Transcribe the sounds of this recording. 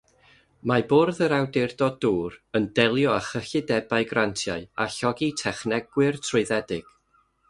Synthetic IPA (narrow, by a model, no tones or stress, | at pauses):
maboːrðəɾawdɛrdɔduːrəndɛlˠjɔaχəɬɪdɛbaɨɡrantʰjaɨa̰ɬɔɡitʰɛχnɛɡ̥wɪrtʰrʊɨðɛdɪɡ̥